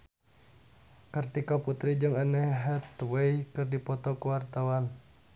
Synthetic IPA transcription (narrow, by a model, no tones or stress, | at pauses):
kərt̪ikɔput̪ɾid͡ʒɨŋanɛɦɛt̪wejkɨrdipɔt̪ɔkuwart̪awan